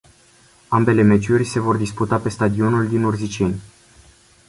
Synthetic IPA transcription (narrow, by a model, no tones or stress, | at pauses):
ambe̞le̞me̞t͡ʃurʲse̞vo̞rd̪isput̪ape̞st̪ad̪io̞nuld̪inurzit͡ʃe̞nʲ